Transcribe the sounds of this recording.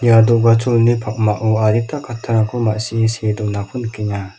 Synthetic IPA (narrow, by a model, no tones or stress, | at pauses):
niadɔʔɡat͡ʃʰulnipʰak̚maʔuaɾitʰakʰatʰaɾakʰumaʔsisedɔʔnakʰunkʰiɲa